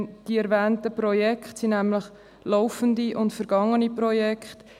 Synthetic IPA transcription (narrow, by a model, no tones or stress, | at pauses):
d̥iɛɾvɛːntəpɾɔjɛkχtsinæmləχ | loʊfəndiʔʊntfəɾɡ̥ɑŋəniprɔjɛkχt